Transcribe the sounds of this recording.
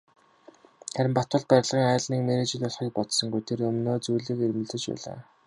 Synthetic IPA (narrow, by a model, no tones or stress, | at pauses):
χæɾʲɪ̆mpat̪ʊ̆ɮt̪̚pæɾʲɪ̆ɮʁiːŋaːɮniːkmeɾet͡ɕɪ̆ɮʲɔɮχiːk̚pɔt̪sɞ̆ŋɡujt̪ʰerɵmnoːt͡sujɮĭkermɵ̆ɮt̪ɘ̆t͡ɕpæ̰ːɮa̰ː